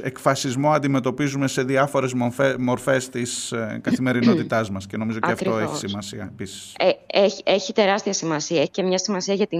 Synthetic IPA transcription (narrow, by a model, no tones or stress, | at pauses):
e̞kfɐsizmoɐnd̪ime̞t̪o̞pizume̞se̞ðiɐfo̞ɾe̞zmofemo̞ɾfe̞st̪iskɐθime̞ɾino̞t̪it̪ɐzmɐsce̞no̞mizoeɐftt̪o̞eçi̥simɐsiɐepisi̥seeiʔeçit̪e̞ɾɐst̪iɐsimɐsiɐeçi̥cemɲɐsimɐsiɐʝɐt̪i